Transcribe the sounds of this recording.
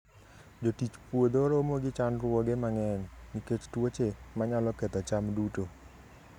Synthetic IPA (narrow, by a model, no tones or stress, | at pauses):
d͡ʒotit͡ʃpwod̪oɾomoɡɪt͡ʃanɾwɔɡemaŋɛnːiket͡ʃtwot͡ʃemaɲalɔkɛt̪ɔt͡ʃamduto